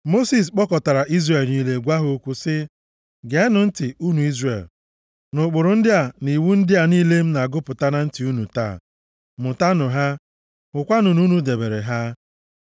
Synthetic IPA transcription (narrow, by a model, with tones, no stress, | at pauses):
mo˦si˨s̬k͡pɔ˦kɔ˨ta˨ɾa˨ʔi˦zre˨lni˦le˦ɡʷa˦ɦo˦kʷu˦sɪ˦ | ɡe˨˦nʊ˨n̩˦tɪ˨u˦nu˨i˦zrɾḛ˨l | nʊ˨k͡pʊ˨ɾʊ˨˦n̩˦dɪ˦a˨ni˨wu˦n̩˦dɪ˦a˨niː˦le˦m̩˦na˨ɡʊ˦pʊ˨ta˦na˦n̩˦ti˨u˦nu˨ta̰˦˨ | mʊ˨ta˦nʊ˨ɦa˦ | ʊ˨kʷa˦nʊ˨nu˦nu˨de˨be˨ɾe˨ɦa˦